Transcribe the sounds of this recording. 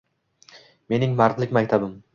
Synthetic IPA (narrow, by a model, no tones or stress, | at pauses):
me̞nɪŋmaɾqlˠɪkʲmakʲt̪ʰabɪm